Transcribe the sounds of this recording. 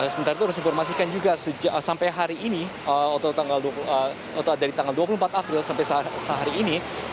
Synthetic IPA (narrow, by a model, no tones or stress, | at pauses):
səmənt̪aɾait̪uhaɾʊs̬difɔrmasikand͡ʒuɡasəd͡ʒasampajɦaɾiʔːni | əot̪at̪aŋɡalduapulə | ɔt̪adaɾit̪aŋɡalduap̬ulumpat̪apɾɪlsampajssəɦaɾiːni